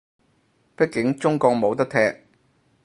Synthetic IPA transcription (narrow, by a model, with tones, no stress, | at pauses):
pɪ˥kːɪ˨˥ŋt͡sʊ˥ŋkɔː˧k̚mo˨˧wt̪ɐ˥k̚t̪ʰɛː˧˥k̚